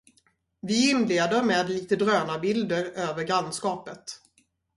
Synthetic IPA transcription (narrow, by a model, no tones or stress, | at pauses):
vɪɪnleːd̪əɾmeːd̪liːt̪əd̪ɾøːnabɪld̪əɾøːvəɾɡɾanskɑːpət̪